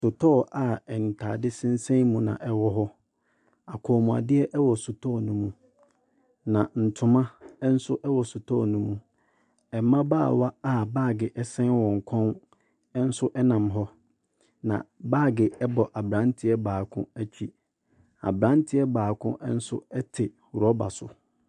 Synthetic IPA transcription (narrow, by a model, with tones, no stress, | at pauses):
sʊ˨tʰɔː˦˨ʔa˨ɛ˨n̩˨tʰaː˨dɪ˦sɪ̃˦n̩˦sɛ̃˦mũ˦nã̰˨ʔɛ˨wɔ˦ɦɔ˦ | a˨kʰɔ˨mũ˨a̰˨dɪ˦ɛ˦ʔɛ˦wɔ˨sʊ˨tʰɔː˦˨nũ˦mũ˦ | nã˨n̩˨tʰʊ̃˨mã˦ɛ˦n̩˦sʊ˦ʔɛ˦wɔ˨sʊ˨tʰɔ̰ː˦˨nũ˦mũ˨ | ɛ˨˦mã˦baː˦˨wa˦a˦˨baː˦˨ɡɪ˨ʔɛ˦sɛ̃˦nwɔ̃˨ŋ̩˨kʰɔ̃˦n | ɛ˦n̩˦sʊ˦ʔɛ˦nã˨mɦɔ˦ | nã̰˨baː˦˨ɡɪ˨ɛ˦bɔ˨ʔa˨bɾã˦ntʰɪ˦ɛ˦baː˨kʰʊ̰̃˦æ˦t͡ɕʰᶣi˨ | a̰˨bɾã˦n˦tʰɪ˦ɛ˦baː˨kʰʊ̃˦ʔn̩˦sʊ˦ɛ˦tʰɪ˨ | wɾɔ˦ba̰˨sʊ˨